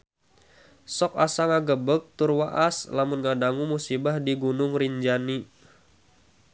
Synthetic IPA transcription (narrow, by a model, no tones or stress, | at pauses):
sɔkasaŋaɡəbək̚t̪ʊrwaʔaslamʊnŋadaŋumusibahdiɡunʊŋriɲd͡ʒani